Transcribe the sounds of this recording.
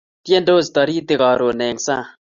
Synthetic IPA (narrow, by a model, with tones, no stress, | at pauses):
tje˦ndo˦˨st̪ɔ˨ɾi˦t̪ɪ˨kɔ˨ɾo˨nɛ˨ŋsa˦˨